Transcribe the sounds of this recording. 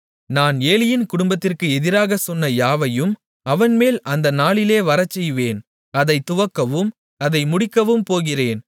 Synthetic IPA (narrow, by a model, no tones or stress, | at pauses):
naːneːlɪjɪnkʊɽʊmbɐt̪ːɪrkɯɛðɪɾaːɣɐsɔnːɐjaːʋɐjɯm | ɐʋɐnmeːlʔɐnd̪ɐnaːɭɪleːʋɐɾɐt͡ʃːɛjʋeːn | ɐðɐɪt̪ːʊʋɐkːɐʋɯm | ɐðɐɪmʊɽɪkːɐʋɯmpoːɣɪreːn